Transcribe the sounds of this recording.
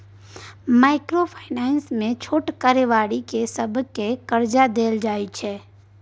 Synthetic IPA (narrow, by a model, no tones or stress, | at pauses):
maːɪkɾopʰaɪnɛːnsmẽt͡ʃʰoːʈkaɾeʋaːɽikesəbʱkekəɾd͡ʒad̪eːld͡ʒaːit͡ʃʰɛː